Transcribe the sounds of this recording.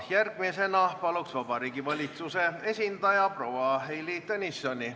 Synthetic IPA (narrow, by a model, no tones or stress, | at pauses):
jærɡ̥̚mise̞nɑpɑluksvɑbɑɾiːɡivɑlʲit̪suse̞e̞sʲind̪ɑjɑpro̞wɑɦejlit̪enisːonʲi